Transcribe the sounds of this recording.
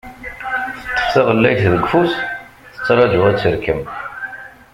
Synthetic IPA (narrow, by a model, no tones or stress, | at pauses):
θə̥t̪ːə̥fθɑʁəlːæjθðəɡːfus | θə̥t͡sːɾˤɑd͡ʒʊæt͡sːəɾkəm